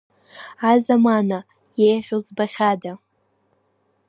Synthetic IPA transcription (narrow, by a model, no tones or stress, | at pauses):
azamana | jejʁʲozbaχʲada